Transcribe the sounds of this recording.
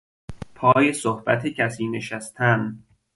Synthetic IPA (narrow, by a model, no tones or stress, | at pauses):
pʰɒːjesohb̥æt̪ʰecʰæsiːne̞ʃæst̪ʰæn